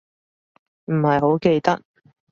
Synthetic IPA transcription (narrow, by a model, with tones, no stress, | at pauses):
m̩˨˩hɐ˨jɦo˨˥wke˧jt̪ɐ˥k̚